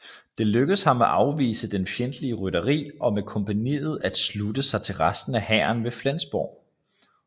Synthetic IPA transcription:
d̥e̝løɡ̥əðˠshɑ̈meʔɑ̈ʊʋḭːsəd̥enfjend̥əliəʁyɾ̥ɐʁḭːʔɒ̽mekʰɒ̽mpʰænḭːð̞̩ˠæd̥slud̥əsɑ̈ɪt͡sʰe̝lʁasd̥n̩æhæːɐnʋe̝flænsb̥ɒ̰ː

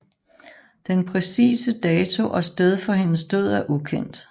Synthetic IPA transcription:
d̥enpʰʁɛsḭːsəd̥ɛːt͡sʰo̝ʔɒ̽sd̥eð̞ˠfɒ̽ɦe̝nəsd̥o̝ð̰ˠæɐʔukʰen̰d̥

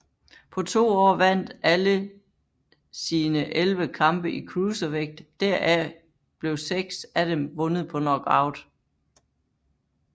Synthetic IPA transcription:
pʰɒ̽t͡sʰo̝̰ːɒ̰ːʋæn̰d̥ælə | siːnəʔelʋəkʰɑ̈mb̥əʔikʰʁuːsəʋeɡ̥̚d̥ːæɐ̰ʔæ | b̥le̝ʊseɡ̥sæd̥emʋɔ̽nəð̞̩ˠpʰɒ̽nɒ̽ɡ̥ɑ̰̈ʊd̥

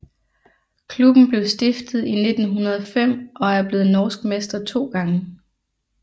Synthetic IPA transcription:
kʰlub̥n̩b̥le̝ʊsd̥efd̥ð̞̩ˠine̝d̥n̩ɦunɐð̞ˠɒ̽fem̰ʔɒ̽æɐb̥le̝ːð̩ˠnɒːsɡ̥mesd̥ɐt͡sʰo̝̰ːɡ̥ɑ̈ŋə

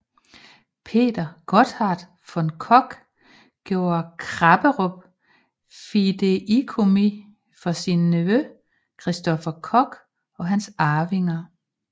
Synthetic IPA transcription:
pʰe̝̰ːd̥ɐɡ̥ɒd̥hɑd̥ | fɒ̽nkʰɒ̽ɡ̥ | ɡ̥jo̝̰ːɐkʰʁɑb̥əʁob̥̚ | fid̥eikʰo̝mi | fɒ̽sinːeʋø | kʰʁisd̥ɒ̽fɐkʰɒ̽ɡ̥ | ɒ̽ɦænsɑ̈ːʋe̝ŋɐ

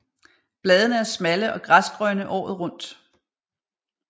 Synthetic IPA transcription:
b̥lɛːðˠənəæɐsmæləʔɒ̽ɡ̥ʁasɡ̥ʁœɐnəʔɒ̰ːð̞̩ˠʁɔ̽n̰d̥

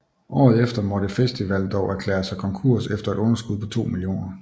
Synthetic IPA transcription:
ʔɒ̰ːð̞̩ˠefd̥ɐmɒ̽ɾ̥efesd̥iʋæl̰d̥ɒʊæɐkʰlḛːɐsɑ̈ɪkʰɒ̽ŋkʰuɐ̰sefd̥ɐe̝ɾ̥ɔ̽nɐsɡ̥uð̞ˠpʰɒ̽t͡sʰo̝̰ːmilio̝̰ːnɐ

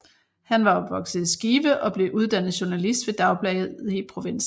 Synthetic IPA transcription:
hænʋɑ̈ɒ̽b̥ʋɒ̽ɡ̥sð̩ˠisɡ̥iːʋəʔɒ̽b̥le̝ʔuð̞ˠd̥æn̰ð̩ˠɕu̝nælisd̥ʋe̝d̥ɑ̈ʊb̥lɛɪð̩ˠipʰʁo̝ʋe̝n̰s̩

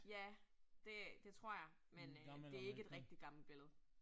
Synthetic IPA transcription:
jæd̥e̝d̥e̝t͡sʰʁo̝ɐ̰jɑ̈ɪ | mend̥e̝æe̝ɡ̥əe̝d̥ʁɛɡ̥d̥id̥ɡ̥ɑ̈mləb̥e̝ləð̞̩ˠ

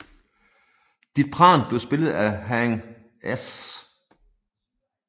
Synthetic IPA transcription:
d̥id̥̚pʰʁɑ̰̈ːnb̥le̝ʊsb̥e̝lð̞̩ˠæɦæŋ | es

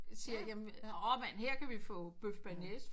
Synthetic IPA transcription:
siːɐjæmɒmænheɐ̰kʰæʋifɔ̰̽ːb̥øfb̥ænes

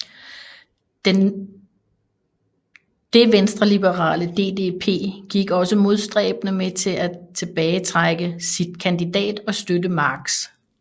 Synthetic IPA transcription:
d̥e̝ʋensd̥ʁɐlib̥əʁɑ̰̈ːləd̥e̝ːd̥e̝ːpʰe̝̰ːɡ̥iɡ̥ɒ̽səmo̝ð̞ˠsd̥ʁɛ̰ːb̥ənəmet͡sʰe̝lʔæt͡sʰe̝b̥ɛːɪət͡sʰʁaɡ̥əsid̥̚kʰænd̥id̥ɛ̰ːd̥ɒ̽sd̥ødəmɑ̈ɡ̥s

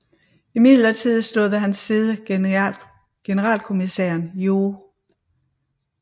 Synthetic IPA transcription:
imið̰ˠlɐt͡sʰið̞̰ˠsd̥o̝ðˠəɦænsːiːð̞ˠə | ɡ̥e̝nəʁɑ̰̈ːlkʰo̝misḛːɐnjo̝

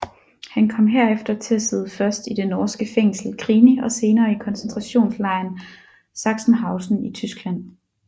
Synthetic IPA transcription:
hænkʰɒ̽mɦeɐefd̥ɐt͡sʰe̝læse̝ð̞ˠəfɶɐsd̥id̥enɒːsɡ̥əfeŋ̰sl̩kʰʁiːniʔɒ̽se̝ːnɐːikʰɒ̽nsent͡sʰʁɑ̈ɕo̝̰ːnslɑ̈ɪ̰n | sɑ̈ɡ̥sn̩ɦɑ̈ʊsn̩it͡sʰysɡ̥læn̰

